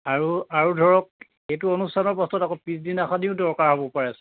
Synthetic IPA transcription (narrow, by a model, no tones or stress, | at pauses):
aɹuaɹudʱɔɹɔk̚ | ejtuonustʰanɔɹpɔstɔtakɔpisdinaxadiʊdɔɹkaɹɦɔbɔpaɹɛasɛ̥